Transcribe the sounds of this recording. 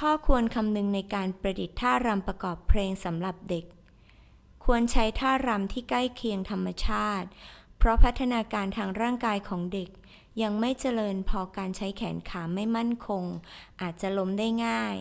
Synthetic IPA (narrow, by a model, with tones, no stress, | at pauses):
kʰɔː˥˩kʰu˧ənkʰa˧mnɯ˧ŋna˧jkaː˧npɾa˧di˨˩t̪ʰːaː˥˩ɾa˧mpɾa˧kɔː˨˩pʰleː˧ŋsa˩˦mɾa˨˩p̚de˨˩k̚ʰː | u˧ənt͡ɕʰa˦˥jt̪ʰaː˥˩ɾa˧mt̪ʰiː˥˩ka˥˩jkʰi˧əŋt̪ʰa˧mːa˧t͡ɕʰaː˥˩t̪̚pʰɾɔ˦˥pʰa˦˥t̪ʰːa˧naː˧kaː˧nt̪ʰaː˧ŋɾaː˥˩ŋkaː˧jkʰɔː˩˦ŋde˨˩k̚ | ja˧ŋma˥˩jt͡ɕa˧lɤː˧npʰɔː˧kaː˧nt͡ɕʰa˦˥jkʰɛː˩˦nkʰaː˩˦ma˥˩jma˥˩nkʰo˧ŋʔaː˨˩t̪̚t͡ɕa˨˩lo˦˥mdaː˥˩jŋaː˥˩j